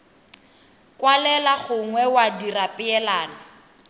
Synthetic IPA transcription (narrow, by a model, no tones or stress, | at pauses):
kwalɛlaɣʊŋwɛwadirapʼɪɛlaːna